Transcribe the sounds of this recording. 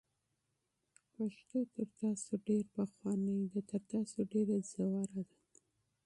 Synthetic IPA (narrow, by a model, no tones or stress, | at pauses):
paʃt̪ot̪əɾt̪ɑsoɖeɾpaxwɑnəjd̪ət̪əɾt̪ɑsoɖeɾazawɑɾad̪a